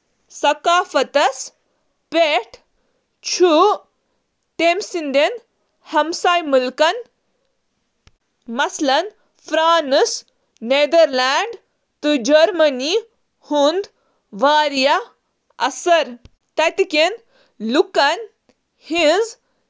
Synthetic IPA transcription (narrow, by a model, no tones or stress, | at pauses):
sɐkaːfɐt̪ɐs | peʈʰ | t͡ʃʰu | t̪emsind̪en | hɐmsaːjmulkɐn | mɐslɐn | fɾaːnɨs | neːd̪ɐɾlaːɳɖ | t̪ɨd͡ʒɐɾmɐni | hund̪ | ʋaːɾjɐ | ɐ̰sɐɾ | t̪ɐt̪ikʲen | lukɐn | hinz